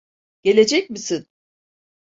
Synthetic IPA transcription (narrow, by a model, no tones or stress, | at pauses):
ɟ̥e̞lʲe̞d͡ʒɛc̚misin